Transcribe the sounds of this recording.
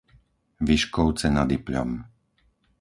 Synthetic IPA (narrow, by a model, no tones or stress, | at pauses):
ʋiʃkɔʊt͡sɛnad̪ipʎɔ̰m